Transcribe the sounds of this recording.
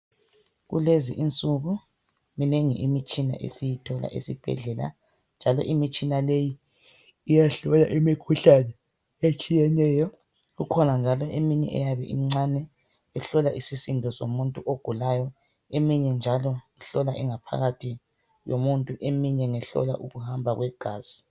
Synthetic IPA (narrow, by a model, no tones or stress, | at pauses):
ɣṵlezḭʔint͡sʼuɣu | mineŋḭʔimit͡ʃʼina̰ʔḛsijitʰɔla̰ʔḛsib̥ʱɛ̰ɮɛla̰ | nd͡ʒʱalɔ̰ʔimit͡ʃʼinalejiː | jaɬɔlaʔimikʰuɬanɛ | et͡ʃʼijɛnɛːjɔ | ɣukʰɔnand͡ʒʱalɔʔemiɲɛ̰ʔɛ̰jaβɛʔḭm̩ŋ͡ǀanɛ | ɛɬɔlaʔisisindʱɔso̰muntʼuʔoɡ̥ʱulajɔ | emiɲɛnd͡ʒʱalɔŋiɬɔlaʔɛŋapʰa̰ɣatʰi | jomuntʼuʔemiɲɛŋɛɬɔ̰la̰ʔuɣuhambʱaɣwɛɡ̥ʱaːzi̥